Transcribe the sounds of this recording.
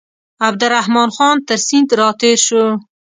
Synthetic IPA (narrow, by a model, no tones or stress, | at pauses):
ab̚d̪aɾahmɑːnxɑːnt̪əɾsint̪ɾɑːt̪eːɾʃu